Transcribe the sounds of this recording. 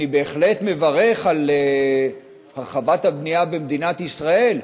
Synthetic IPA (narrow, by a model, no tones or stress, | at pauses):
ibe̞ːχle̞tme̞vaʁe̞χale | haʁχavat̪habniabemd̪inat̪isʁae̞l